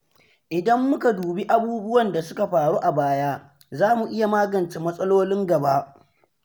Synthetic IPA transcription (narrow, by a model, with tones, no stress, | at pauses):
ʔɪ˨dɐ˦mːʊ˦ka˨duː˨bi˦ʔa˦buː˦bʊ˦wɐ˨nda˨sʊ˦ka˨ɸaː˨ɽu˦ʔa˨baː˦jaː˦ | zaː˦mu˨ʔɪ˦ja˨maː˦ɡɐ˨nt͡ʃe˦mɐ˦sʼɐ˦loː˦lɪ˦ŋɡɐ˨ba˦ʔ